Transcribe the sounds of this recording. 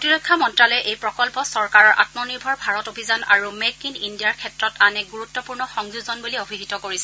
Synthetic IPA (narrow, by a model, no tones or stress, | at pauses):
otiɹɔkʰːamɔntɹalɔjʔejpɹɔkɔlpɔsɔɹkaɹɔɹʔa̰tmɔniɹbʱɔɹbʱaɹɔtobʱizanaɹumekinindijaɹkʰɛtɹɔtanɛɡuɹutːɔpuɹnɔxɔŋzuzɔnbuliobʱiɦitɔkoɹisɛ